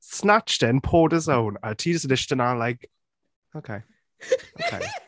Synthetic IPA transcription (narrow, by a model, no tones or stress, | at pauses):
snat͡ʃtɪ̃npʰɔːdəzõʊ̃nətʰiːdɪsədɪʃtə̃nəlaɪk | oʊkʰeɪ | o̰ʊkʰḛɪ